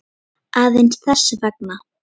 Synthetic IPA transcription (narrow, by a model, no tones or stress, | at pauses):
aːðensθɛsːɪvɛk̚na